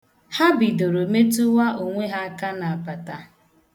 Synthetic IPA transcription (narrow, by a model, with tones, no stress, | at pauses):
ha˦bi˨do˨ɾo˨me˦tu˦wa˦ʔo˨ŋʷe˦ɦa˦a˦ka˦na˨a˨pa˨ta˨